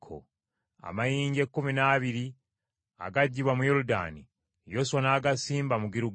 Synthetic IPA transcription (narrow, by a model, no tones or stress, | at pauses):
kʰo̰ | a̰majiːɲɟekːuminaːβiɾi | a̰ɡaɟːiβwamujoɾuda̰ːni | joswonaːɡasiːmbamuɡiɾu